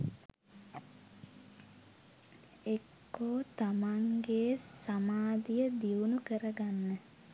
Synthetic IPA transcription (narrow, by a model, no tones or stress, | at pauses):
ekːoːt̪amaŋɡesamaːd̪ijəd̪iunukəɾəɡanːə